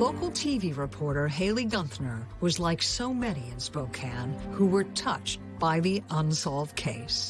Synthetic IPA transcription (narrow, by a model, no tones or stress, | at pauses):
loʊkl̩ˠtʰiviɹɪpʰɔɹɾə˞ɦeɪlˠiɡʌ̃nθnə˞wʌzlaɪksoʊmɛniɨ̃nspoʊkʰæ̃nhuwə˞tʰʌt͡ʃt̚b̥aɪðiʔə̃nsɑlˠvd̚kʰeɪs